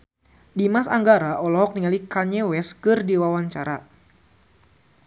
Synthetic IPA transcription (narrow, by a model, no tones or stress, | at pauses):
dimasa̰ŋɡaɾaʔɔlɔɦɔk̚niŋalikaɲɛwɛskɨrdiwawaɲt͡ʃaɾa